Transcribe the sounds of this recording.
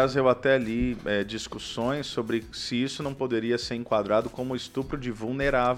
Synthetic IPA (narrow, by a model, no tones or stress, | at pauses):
azewat̪ɛliɛd͡ʒiskusõj̃sːobɾɪsɪisʊnɐ̃w̃pod̪eɾiɐseɾẽŋkwad̪ɾad̪ʊkõmʊist̪upɾʊd͡ʒɪvulneɾav